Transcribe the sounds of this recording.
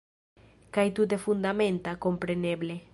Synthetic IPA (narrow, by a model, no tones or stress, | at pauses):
kajt̪ut̪̬efund̪amẽnt̪akompɾeneble